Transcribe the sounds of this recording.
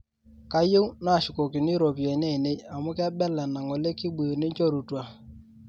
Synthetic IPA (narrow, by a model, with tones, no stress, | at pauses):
ka˦je˦wna˦˨ʃʊ˨ko˨kɪ˨ni˦ɾo˨pjɛ˨ne˦˨ne˦ja˨mʊ˦kɛ˦bɛ˦lɛ˨na˨ŋɔ˨le˦ki˦bu˨jo˨ne˦nt͡ʃo˦ɾu˨twa˨